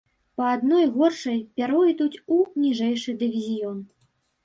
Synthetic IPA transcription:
pɐad̪nɔjɣɔrʂɐjpʲaɾɔit̪ut͡sʲunʲiʐɛjʂɨd̪ɨvʲizʲijɔn

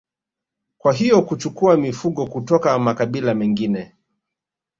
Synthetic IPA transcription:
kwaɦijɔkut͡ʃukuamifuɠɔkutɔkamakaɓilamɛŋɡinɛ

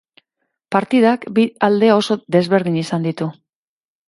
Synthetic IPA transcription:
paɾt̪iðakbiald̪e̞o̞so̞d̪e̞zβe̞ɾð̞iɲisand̪it̪u

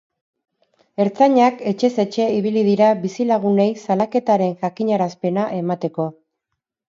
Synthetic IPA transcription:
e̞ɾt͡saɲake̞t͡ʃe̞se̞t͡ʃe̞iβ̞ilið̞iɾaβisilaɣ̞une̞jsalake̞t̪aɾe̞nʝakiɲaɾaspe̞naʔe̞mat̪e̞ko̞

